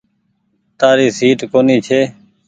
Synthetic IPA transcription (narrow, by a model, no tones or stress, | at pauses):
t̪aːɾiːsiːʈkoːniːt͡ʃʰeː